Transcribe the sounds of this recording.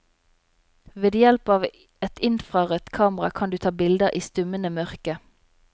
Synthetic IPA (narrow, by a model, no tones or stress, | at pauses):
ʋeːd̪jɛlpɑːʋ | ɛt̪ɪnfʁɑːʁət̪kʰɑːmʁɑkʰɑnd̪ʉːt̪ʰɑːbɪld̪əʁʔiːst̪ʉmənəmœʁkə